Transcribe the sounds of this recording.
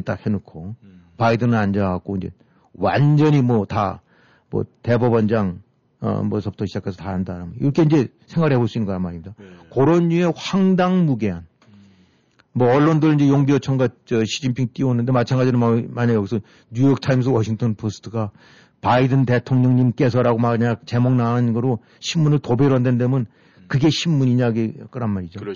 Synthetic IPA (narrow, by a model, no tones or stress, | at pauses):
et͈akhe̞nukʰo | paidɯnɯnand͡ʑʌak̚k͈oind͡ʑe̞̰ | wa̰nd͡ʑʌɲimwʌta | mʌ̰te̞bobʌnd͡ʑaŋ | ʌ̰mʌ̰sʰʌp̚tʰoɕʰid͡ʑakʰesʰʌtaɦandaɾamoiɾʌkʰe̞ind͡ʑe̞ | sʰeŋɡaɾɦe̞boɭs͈uinːɯŋɡʌnamaɲimid̥akoɾonːue̞haŋdaŋmuɡe̞ɦan | mwʌʌɭːondɯɾɯɭind͡ʑe̞joŋbiʌt͡ɕʰʌŋɡat͡ɕʌɕʰid͡ʑinpʰiŋt͈ionːɯnde̞mat͡ɕʰaŋɡad͡ʑiɾɯmaɲajʌɡisʰʌ | ɲujʌk̚tʰaims̬ʰwʌɕʰiŋtʰʌnpʰosʰɯ̥tʰɯɡa | paidɯnte̞tʰoŋɲʌŋɲimk͈e̞s̬ʰʌɾaɡomaɲat͡ɕe̞moŋnanɯnɡʌɾo | ɕʰimmunɯɭtobeɾoɦandendemɯn | kɯɡe̞ɕʰimːuɲiɲaɡek͈ɯɾanmaɾid͡ʑo